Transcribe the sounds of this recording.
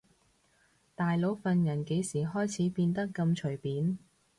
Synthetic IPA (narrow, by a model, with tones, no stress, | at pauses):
t̪aː˨jlo˨˥wfɐ˨njɐ˨˩nke˨˧˥jsiː˨˩ɦɔː˥jt͡sʰiː˨˥piː˧nt̪ɐ˥kːɐ˧mt͡ʃʰɵ˨˩ɥpiː˨˥n